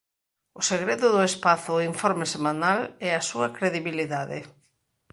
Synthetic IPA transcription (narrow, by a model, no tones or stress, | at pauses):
ʊseɣɾeðʊðʊespaθʊiɱfɔɾmesemãnalɛasuɐkɾeðiβiliðaðɪ̰